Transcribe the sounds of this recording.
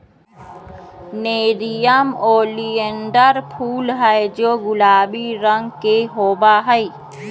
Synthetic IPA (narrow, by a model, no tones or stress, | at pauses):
neːɾijəmoːliəɳɖəɾpʰuːlɦɛed͡ʒoːɡʊlaːbiɾə̃ŋɡkeɦoːbaɦəi